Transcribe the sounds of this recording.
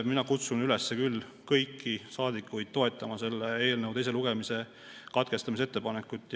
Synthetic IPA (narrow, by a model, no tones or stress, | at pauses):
minɑkut̪sunyle̞sːekylː | kɤjkːisɑːd̪̥ikːˑujd̪̥̚t̪o̞e̞t̪ˑːɑmɑse̞lːee̞ːlnəwt̪e̞jseluɡ̥e̞mise̞ | kɑt̪̚ke̞st̪ɑmis̬et̪ːe̞pɑnekːˑut̪ːˑ